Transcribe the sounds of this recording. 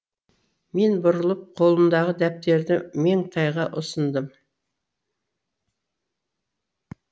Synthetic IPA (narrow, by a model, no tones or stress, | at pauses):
me̞nbʊɾəlˠəp̚qʰo̞lˠənd̪ɑʁəd̪æp̚t̪e̞ɾd̪ɪme̞ŋt̪ʰɑjʁɑʔʊsənd̪əm